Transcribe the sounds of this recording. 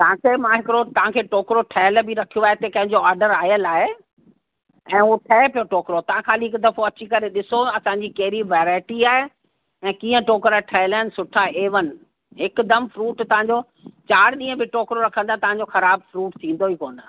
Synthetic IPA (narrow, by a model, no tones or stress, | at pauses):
t̪ɐʋãkʰeːmãɦɪkɾot̪ɐʋ̤ãkʰeːʈoːkɾoʈʰɐjəlbʱɪɾɐkʰijoaːɦet̪ekɐ̃ɦɪ̃ɲd͡ʑoaːɾɖəɾaːjəlaːɦe | ɛ̃ːɦuʈʰɐɦepijoʈoːkɾot̪ɐʋ̤ãxaːliɦɪkd̪ɐfoɐt͡ɕikɐɾeɗɪsoɐsãːɲd͡ʑikɐɦɪɾiʋɛːɾaːɪʈiaːɦe | ɛ̃ːkĩːə̃ʈoːkɾaʈʰɐəlaːɪnɪ̆sʊʈʰaeːʋənɪ̆ | ɦɪkd̪ɐmfɾuːʈt̪ɐʋ̤ãɲd͡ʑo | t͡ɕaːɾɗĩːə̃bɪʈoːkɾoɾɐkʰə̃nd̪aet̪ɐʋ̤ãɲd͡ʑoxɐɾaːbfɾuːʈsĩːn̆d̪oɦiːkoːnd̪aː